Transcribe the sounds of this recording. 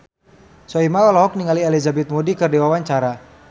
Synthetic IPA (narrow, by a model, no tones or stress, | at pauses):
sɔimawalɔɦɔk̚niŋaliɛlizabɛt̪̚modikərdiwawaɲt͡ʃaɾa